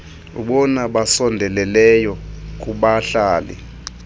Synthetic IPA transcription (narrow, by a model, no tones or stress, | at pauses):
uɓɔnaɓasɔndʱɛlɛlɛjɔk̬ʼuɓaɬaːlɛ̰